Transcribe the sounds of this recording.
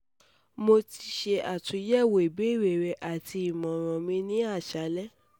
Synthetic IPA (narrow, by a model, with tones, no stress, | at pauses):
mo˧ti˧ʃe˧ʔa˨tũ˨˦jɛ˦˨wo˨i˨be˨˦˨ɾe˨ɾɛ˧ʔa˨ti˧i˨mɔ̃˨ɾ̃ɔ̃˨mĩ˧nĩ˦a˦˨ʃa˨˦lɛ˦